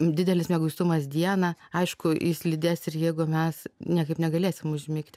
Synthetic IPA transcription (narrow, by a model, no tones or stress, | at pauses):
d̪ʲɪd̪ʲɛlʲɪsmʲɛɡʊst̪ʊmɐsd̪ʲiɛnɐɐɪʃkʊjɪslʲɪd̪ʲesɪrjɛɪɡʊmʲɛsnʲiɛkɐɪpnʲɛɡɐlʲeːsʲɪmʊʒʲmʲɪːkt̪ʲ